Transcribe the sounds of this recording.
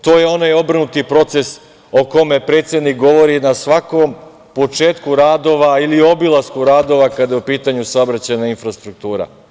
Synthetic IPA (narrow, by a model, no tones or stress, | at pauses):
t̪o̞ːje̞o̞najo̞brnut̪ipɾo̞t̪se̞s | o̞ko̞me̞pɾet̪sjed̪nik̚ɡo̞ʋo̞ɾinasʋako̞m | po̞t͡ʃe̞ːt̪kuɾaːd̪o̞ʋailio̞bilˠaskuɾaːd̪o̞ʋakad̪jeupiːt̪aɲusaobɾat͡ɕajnainfɾast̪ɾuk̚t̪uːɾa̰